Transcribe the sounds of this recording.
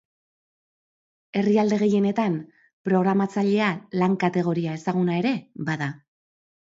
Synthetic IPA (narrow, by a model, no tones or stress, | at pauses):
e̞riald̪e̞ɣ̞e̞je̞ne̞t̪am | pɾo̞ɣ̞ɾamat͡saʎe̞alaŋkat̪e̞ɣ̞o̞ɾiae̞saɣ̞unae̞ɾe̞baða